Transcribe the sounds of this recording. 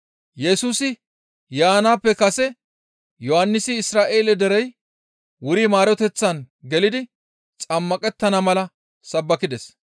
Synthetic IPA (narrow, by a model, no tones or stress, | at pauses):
jɛsuːsɪ | jaːnaːpːɛkɐsɛ | jɔhɐnːɪsɪːsɾaːʔe̞ːlɛd̪ɛɾɛj | wʊɾimaːɾɔt̪ɛt͡sːɐn | ɡɛlɪd̪ɪ | t͡sʼɐmːɐkʼɛt̪ːɐnɐmɐlɐ | sɐbːɐkɪd̪ɛs